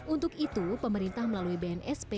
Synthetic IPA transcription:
ʔunt̪ʊkit̪upəməɾint̪ahməlaluibaɛnʔɛspe

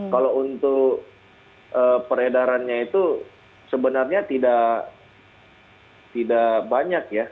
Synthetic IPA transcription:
kalount̪ʊk | əpəɾedaɾanɲait̪u | səbənarɲat̪ida | t̪idabaɲakja

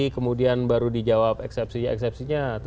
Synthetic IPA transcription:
ikəmudianbaɾudid͡ʒawapɛksɛp̚siɲaɛ̰ksɛp̚siɲat̪

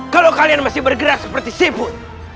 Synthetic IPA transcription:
kalowkalianmasɪhbərɡəɾak̚səpərt̪isibʊt̪

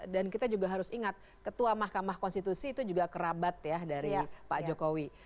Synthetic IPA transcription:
dankit̪ad͡ʒuɡaɦaɾʊsiŋat̪̚ | kət̪uamahkamahkɔnst̪it̪usiːt̪ud͡ʒuɡakəɾabat̪̚jadaɾipad͡ʒokowi

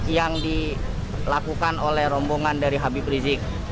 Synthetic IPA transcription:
jaŋdi | lakukanolɛhrɔmbɔŋandaɾiɦabibɾizɪk̚

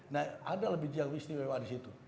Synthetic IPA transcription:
nahadaləbɪhd͡ʒiaŋɾist̪iwewadisit̪u

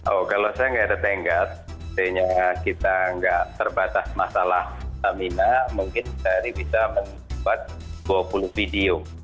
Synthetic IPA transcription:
ʔokalosajaŋɡadat̪eŋɡat̪̚ | t̪eɲakit̪aŋɡaʔt̪ərbat̪asmasalaht̪aminamuŋkɪnkit̪aaɾibisamən | bat̪̚d̥uapulʊhfidio

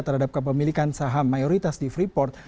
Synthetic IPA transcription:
t̪ərɦadap̚kəp̬əmilikansaɦamːajoɾit̪asdifɾipɔrt̪̚

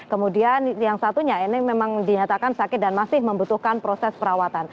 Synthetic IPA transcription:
kəmudianjaŋsat̪uɲainɪmemaŋdiɲat̪akansakɪt̪̚danmasɪhməmbut̪uhkanpɾosɛspəɾawat̪an

